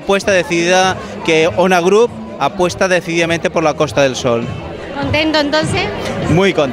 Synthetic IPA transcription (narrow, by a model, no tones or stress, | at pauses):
pwest̪aðe̞θiða | keonaɣ̞ɾup̚ | apwe̞st̪aðeθiðiament̪̬epo̞ɾlako̞st̪aðe̞lsol | kont̪ent̪oẽnt̪onθesmujkont̪